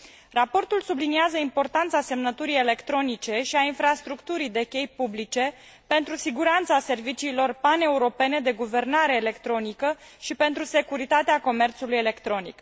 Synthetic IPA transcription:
rapo̞rt̪ulsubliniazəimpo̞rt̪ant̪sase̞mnət̪uɾijele̞kt̪ɾo̞nit͡ʃe̞ʃiainfɾast̪ɾukt̪uɾid̪e̞kʲe̞jpublit͡ʃe̞ | pe̞nt̪ɾusiɡuɾant̪sase̞rvit͡ʃiːlo̞rpane̞uɾo̞pe̞ne̞d̪e̞ɡuve̞rnaɾe̞ːle̞kt̪ɾo̞nikəʃipe̞nt̪ɾuse̞kuɾit̪at̪eako̞me̞rt̪sulujele̞kt̪ɾo̞nḭk

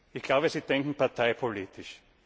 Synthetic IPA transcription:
ɪçɡ̥laʊbəsiːd̥ɛŋkŋ̩paɐt̪ʰaɪpʰoliːt̪ʰɪʃ

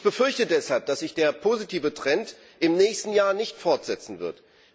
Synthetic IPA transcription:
çb̥əfʏɐçtədɛshalp̚d̥asz̥ɪçd̥eːɐpʰoːzitʰiːvətʁ̥ɛnt | ʔɪmnɛːçstn̩jaːɐnɪçtfɔɐtz̥ɛt͡sn̩vɪɐt

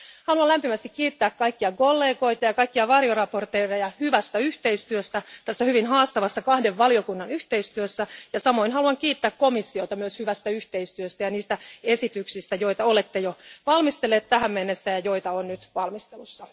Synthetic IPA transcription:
hɑluɑlæmpimæst̪ikkiːt̪ːæːkkɑikːiɑkolːeːɡo̞it̪ɑjɑkɑikːiɑʋɑrjorɑport̪eirɑjɑhyʋæst̪æyht̪eist̪yøst̪æt̪æsːæhyʋinɦɑːst̪ɑʋɑsːɑkɑhdeʋːɑlio̞kunːɑnyht̪eist̪yøsːæjɑsɑmo̞inɦɑluɑŋkiːt̪ːæːkkomisːiot̪ɑmyøshyʋæst̪æyht̪eist̪yøst̪æjɑniːst̪æesit̪yksist̪æjo̞it̪ɑolet̪ːejoʋɑlmist̪elːeːt̪t̪æhæmmenːesːæjɑjo̞it̪ɑonnyt̪ʋɑlmist̪elusːɑ

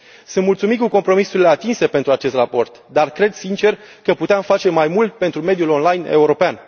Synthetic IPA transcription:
sɨnd̪mult̪sumikuko̞mpɾo̞misuɾile̞at̪inse̞pe̞nt̪ɾuat͡ʃe̞st̪rapo̞rt̪d̪arkɾe̞d̪sint͡ʃe̞r | kəput̪eamfat͡ʃe̞majmult̪̚pe̞nt̪ɾume̞d̪julo̞nlajne̞̰uɾo̞pean

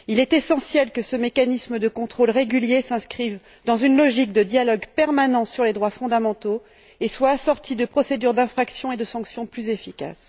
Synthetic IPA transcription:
ilɛt̪esɑ̃sjɛlkəsəmekanisməd̪əkɔ̃t̪χolʁeɡʲyljesɛ̃skχiv | d̪ɑ̃zynlɔʒik̚d̪əd̪jalɔɡpɛʁmanɑ̃syʁled̪ʁwafɔ̃d̪amɑ̃t̪o | eswaːsɔʁt̪ʰid̪əpχɔsed̪yʁd̪ɛ̃fχaksjɔ̃ed̪əsɑ̃ksjɔ̃plyzefika̰s

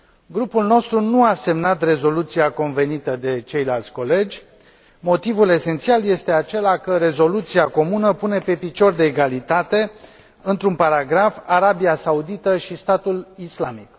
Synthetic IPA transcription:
ɡɾupulno̞st̪ɾunuase̞mnat̪re̞zo̞lut̪siako̞nve̞nit̪əd̪e̞t͡ʃe̞jlalt̪sʲko̞le̞d͡ʒʲ | mo̞t̪ivule̞se̞nt̪sialje̞st̪e̞at͡ʃe̞lakəɾe̞zo̞lut̪siako̞munəpune̞pe̞pit͡ʃo̞rd̪e̞ːɡalit̪at̪e̞ | ɨnt̪ɾunpaɾaɡɾafaɾabiasaud̪it̪əʃist̪at̪ulislamik

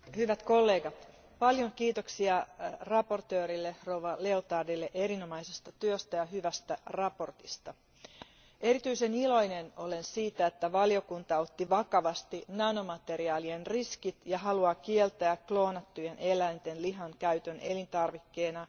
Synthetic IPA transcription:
hyʋæt̪ko̞lːe̞ːɡɑt̪ | pɑljoŋkiːt̪o̞ksiɑrɑpo̞rt̪øːɾilːero̞wʋɑle̞ot̪ɑrdilːeʔe̞ɾino̞mɑjsest̪ɑt̪yøst̪æjɑɦyʋæst̪ærɑpo̞rt̪ist̪ɑ | e̞ɾit̪yise̞nilo̞jneno̞le̞nsiːt̪æet̪ːæʋɑlio̞kunt̪ɑo̞t̪ːiʋɑkɑʋɑst̪inɑnomɑt̪e̞ɾiɑːlienriskit̪jɑɦɑluɑkielt̪æːkklo̞ːnɑt̪ːujene̞læjnt̪e̞nliɦɑŋkæyt̪øne̞lint̪ɑrʋikːe̞ːnɑ

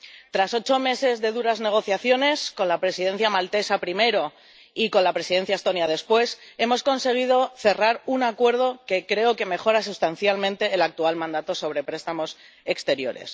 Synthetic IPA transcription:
t̪ɾaso̞t͡ʃo̞me̞se̞zðe̞ðuɾazne̞ɣ̞o̞θjaθjo̞ne̞sko̞nlapɾe̞siðe̞nθjamalt̪e̞sapɾime̞ɾo̞ | iko̞nlapɾe̞siðe̞n̟θjaest̪o̞njaðe̞spwe̞se̞mo̞sko̞nse̞ɣ̞iðo̞θe̞raɾunakwe̞ɾðo̞ke̞kɾe̞oke̞me̞xo̞ɾas̬ust̪an̟θjalmẽ̞nt̪e̞ːlak̚t̪ualmãnd̪at̪o̞so̞βɾe̞pɾe̞st̪amo̞s | e̞kst̪e̞ɾjo̞̰ɾe̞̰s

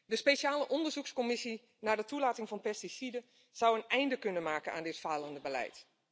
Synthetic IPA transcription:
dəspejʃaːləʔɔndəɹzukskomɪsi | naːdətulaːtɪŋvɑnpɛstisidə | z̥awənɛjndəkɵnənmaːkənʔa̰ːndɪtfaːləndəbəlɛ̰jt

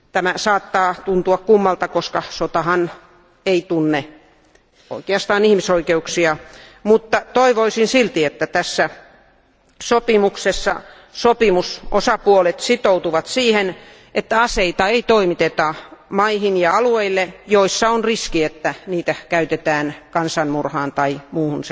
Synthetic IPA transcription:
t̪æmæsɑːt̪ːɑːt̪unt̪uɑkkumːɑlt̪ɑkoskɑsot̪ɑhɑn | eit̪unːe | o̰ikeɑst̪ɑːnihmisoikeuksiɑmut̪ːɑt̪oiʋoisinsilt̪iet̪ːæt̪æsːæ | sopimuksesːɑ̰ | sopimusosɑpuolet̪sit̪out̪uʋɑt̪siːhen | ʔet̪ːæɑseit̪ɑeit̪oimit̪et̪ɑmɑihinjɑɑlueilːejoisːɑonriskiet̪ːæniːt̪ækæyt̪et̪æːnkɑnsɑnmurhɑːnt̪ɑimuːhuns

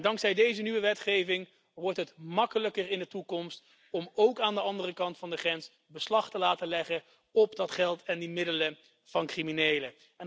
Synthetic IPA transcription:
dɑŋksɛjdejzənyʋəʋɛtχejvɪŋ | ʋɔɹtɦətmɑkələkərɪndətukɔmst | ɔmowkaːndəɑndərəkɑntfɑndəχrɛns | bəslɑχtəlaːtəlɛχə | ɔpdɑtχɛlˠtɛndimɪdələ | v̥ɑnkriminejlə | ɛ

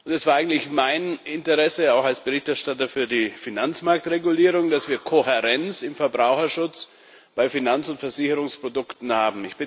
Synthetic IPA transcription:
ʔʊntɛsv̥aːɐaɪŋ̩tlɪçmaɪnɪntəʁɛsəaʊxalsb̥əʁɪçtɛɐʃtatɐfyːɐdiːfinant͡smaɐk̚tʁeɡuliːʁ̞ʊŋd̥asv̥iːɐkʰohɛʁɛnt͡sɪmfɛɐbʁaʊxɐʃʊt͡s | b̥aɪfinant͡sʊntfɛɐzɪçəʁʊŋspʁ̥odʊktn̩haːbm̩ɪçb̥ɪ

